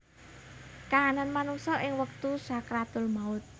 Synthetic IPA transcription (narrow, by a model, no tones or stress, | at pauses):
kaːnanmanuŋsɔʔɪŋwək̚t̪usakɾat̪ʊlmaʊt̪̚